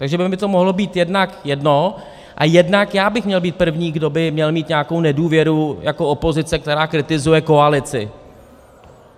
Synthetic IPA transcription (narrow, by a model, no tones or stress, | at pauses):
t̪aɡʒɛbɪmɪt̪o̞moɦlo̞biːt̪jɛdnakjɛdno̞ | ʔa̰jɛdnakjaːbɪxmɲɛlbiːt̪̚pr̩vɲiːɡdo̞bɪmɲɛlmiːt̪ɲaako̞wnɛduːvjɛɾujakoopo̞zɪt͡sɛk̚t̪ɛɾaːkɾɪt̪ɪzujɛko̞alɪt͡sɪ̰